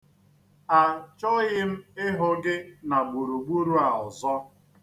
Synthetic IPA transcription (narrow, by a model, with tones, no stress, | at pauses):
a˨t͡ʃɔ˦ɣɪ˦m̩˦ɪ˦ɦʊ˦ɡɪ˦na˨ɡ͡bu˨ɾu˨ɡ͡bu˦ɾu˦a˨ʊ˨zɔ˦